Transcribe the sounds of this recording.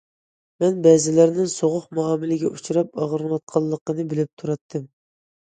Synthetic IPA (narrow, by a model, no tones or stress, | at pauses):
mɛnbɛzɪlæɾnɪŋsoʁʊqmuɑːmɪlɪɡʲɛʔut͡ʃʰuɾɑp̚ɑʁəɾɑt̪̚qʰɑlˠːəqənɨbɪlɪp̚t̪ʰuɾɑt̪ʰːɨm